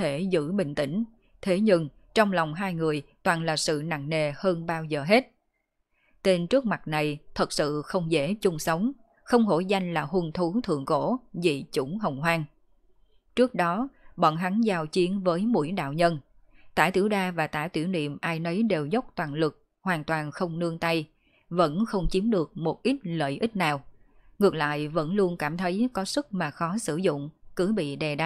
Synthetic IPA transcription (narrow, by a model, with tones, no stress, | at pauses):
e˧˩zɨ̰˧˥ɓï˧˨ŋ̟t̪ï˧˩ŋ̟ | t̪ʰe˨˦ɲɨ˧ŋ | t͡ɕɔ˧wŋ͡mlɔ˨˩wŋ͡mɦaː˧jŋɨ˨˩əjt̪waː˨˩nlaː˨˩sɨ̰˧˨na̰˧˨ŋne˨˩həː˧nɓaː˧wzəː˨˩ɦe˦˥t̚ | t̪e˧nt͡ɕɨ˦˥ək̚ma˨˩t̚na˨˩jt̪ʰə˨˩t̚sɨ̰˧˨xə˧wŋ͡mzḛ˧˥t͡ɕʊ˧ŋ͡msə˨˦wŋ͡m | xə˧wŋ͡mɦo̰˧˩za˧jŋ̟laː˨˩ɦu˧nt̪ʰu˨˦t̪ʰɨ̰˧˨əŋko˧˥zḭ˨˩t͡ɕʊ˧˩ŋ͡mɦə˨˩wŋ͡mɦwaː˧ŋ | t͡ɕɨ˦˥ək̚ɗɔ˨˦ɓɔ̰˧˨nɦa˨˦ŋzaː˧wt͡ɕi˨˦ənvəː˨˦jmṵ˧˥əjɗa̰ː˧˨wɲə˧n | t̪aː˧˩t̪i˧˩wɗaː˧vaː˨˩t̪aː˧˩t̪wi˧˩əwnḭ˧˨əmʔaː˧jnə˨˦jɗe˨˩wzə˦˥wk͡p̚t̪waː˨˩nlɨ˨˩k̚ | hwaː˨˩nt̪waː˨˩nxə˧wŋ͡mnɨ˧əŋt̪a˧j | və̰˧˥nxə˧wŋ͡mt͡ɕi˨˦əmɗɨ˨˩ək̚mo˨˩t̚ʔi˦˥t̚lə̰ː˧˨jʔï˦˥t̟̚naː˨˩w | ŋɨ˨˩ək̚la̰ː˧˨jvə̰˧˥nlu˧ənkaː˧˩mt̪ʰə˨˦jkɔ˨˦sɨ˦˥k̚maː˨˩xɔ˨˦sɨ̰˧˩zʊ̰˧˨ŋ͡mkɨ˨˦jɓḭ˧˨ɗɛ˨˩ɗa˧˩